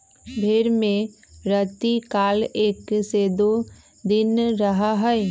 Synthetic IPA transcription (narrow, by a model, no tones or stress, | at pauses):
bʱeːɾmẽ | ɾɐt̪ikaːleːksed̪o | d̪ɪnɾɐɦaɦɛɛ